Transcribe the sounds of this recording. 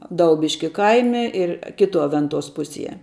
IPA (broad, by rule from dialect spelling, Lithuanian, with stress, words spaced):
ˈdɐʊbʲɪʃʲkʲɪ ˈkɐɪmʲɛ ɪr ˈkʲɪtuɔ ˈʋʲɛntuɔs ˈpʊsʲiɛ